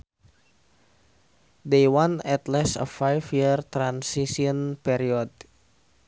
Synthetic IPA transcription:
dejwanɛt̪lɛsə̰fajfjirt̪ɾansisiɔnpɛɾiɔd̚

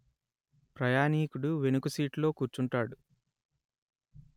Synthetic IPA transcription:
pɾɐjaːniːkuɽuʋe̞nukusiːʈlo̞ːkuːɾt͡ʃuɳʈaːɽu

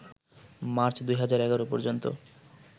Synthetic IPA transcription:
maɾt͡ɕd̪ujɦad͡ʑaɾɛɡaɾopɔɾd͡ʑont̪o̰

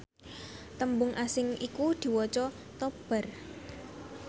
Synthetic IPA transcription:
t̪əmbʊŋʔasɪŋikud̪̥i̤wɔt͡ʃɔ | t̪ɔb̥ə̤r

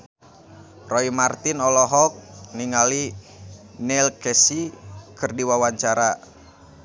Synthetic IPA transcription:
rɔimart̪inɔlɔɦɔk̚niŋali | nɛlkɛsikɨrdiwawaɲt͡ʃaɾa

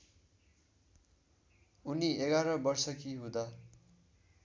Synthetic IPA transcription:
uniʔeɡaɾʌbʌrsʌkiɦũd̪a

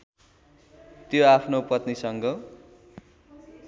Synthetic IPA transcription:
t̪joapʰnopʌt̪nisʌŋɡʌ

